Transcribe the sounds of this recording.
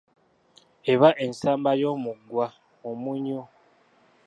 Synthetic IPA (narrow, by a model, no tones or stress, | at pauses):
eβaʔe̞nsaːmbajo̞ːmuɡwa | omuɲo